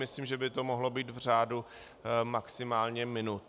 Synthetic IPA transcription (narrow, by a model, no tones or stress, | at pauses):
mɪsliːmʒɛbɪt̪o̞moɦlo̞biːt̪vr̝aːdu | maksɪmaːlɲɛmɪnut̪̚